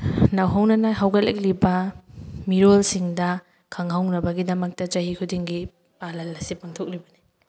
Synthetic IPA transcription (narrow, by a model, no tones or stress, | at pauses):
nɐwɦawnɐnɐɦawɡɐlḛk̚libɐmiɾolsiŋdɐ | kʰɐŋɦawnɐbɐɡidɐmɐk̚tɐt͡ʃɐɦikʰudiŋɡi | palɐlːɐsipaŋtʰok̚libɐni